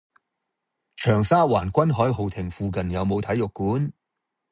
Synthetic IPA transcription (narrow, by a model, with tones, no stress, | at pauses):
t͡ʃʰœː˨˩ŋsaː˥waː˨˩nkʷɐ˥nɦɔː˨˥jɦo˨˩wt̪ʰɪ˨˩ŋfuː˨˧kɐ˨njɐ˨˧wmo˨˧wt̪ʰɐ˨˥jʊ˨kːuː˨˥n